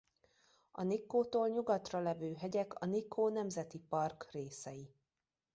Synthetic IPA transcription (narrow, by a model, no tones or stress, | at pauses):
ɒnikːoːt̪oːlɲuɡɒt̪rɒlɛvøːɦɛɟɛkɒ̰nikʰːoːnɛmzɛt̪ipɒrkreːsɛji